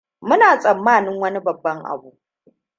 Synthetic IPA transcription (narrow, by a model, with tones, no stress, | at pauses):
mʊ˦naː˨sʼɐ˨mːaː˦˨nɪ˦ŋwɐ˦ni˦bɐ˨bːɐ˦ŋʔa̰˨buː˦ʔ